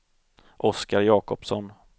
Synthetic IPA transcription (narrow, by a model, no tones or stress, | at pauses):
ʔɔskaɾjɑːkɔpsɔn